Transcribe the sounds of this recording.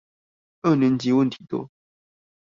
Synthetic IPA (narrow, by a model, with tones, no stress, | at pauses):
ɤ˥˩nə˨˧˥nt͡ɕi˧˦wə˥˨nt̪ʰi̥˨˩t̪wɔ̰˥